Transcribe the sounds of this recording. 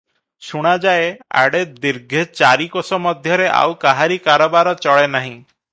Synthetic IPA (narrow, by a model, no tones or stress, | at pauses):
ʃuɽ̃ad͡ʒaea̰ɽed̪iɾɡʱet͡ʃaɾikosɔmɔd̪ʱjɔɾeʔa̰wkaɦaɾikaɾɔbaɾɔt͡ʃɔɭenaɦĩ